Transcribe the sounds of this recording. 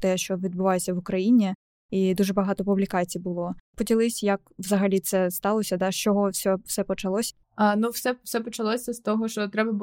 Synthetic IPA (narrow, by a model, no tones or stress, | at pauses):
t̪ɛʃt͡ʃɔʋʲid̪̚bʊʋɑjet͡sʲːɐʋʊkɾɐjinʲi | id̪uʒɛbɐɦɑt̪ɔpublʲikɑt͡sʲijbʊlˠɔpɔdʲilˠɪsʲjɐkʋzɐɦɐlʲit̪sɛst̪ɑlˠɔsʲɐd̪ɑʃt͡ʃɔɦɔfsʲɔfsɛpɔt͡ʃɐlˠɔsʲ | ɐnuwsɛ̥sɛpɔt͡ʃɐlˠɔsʲɐst̪ɔɦɔʃt͡ʃɔt̪ɾɛbɐb